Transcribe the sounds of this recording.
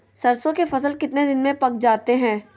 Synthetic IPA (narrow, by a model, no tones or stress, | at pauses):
sɐɾsõkefɐsəlkɪt̪ned̪ɪnmẽpɐk̚d͡ʒaːt̪eɦɛ̃ː